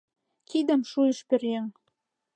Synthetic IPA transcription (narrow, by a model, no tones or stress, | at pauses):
kid̪ə̆mʃujə̆ʃperjeŋ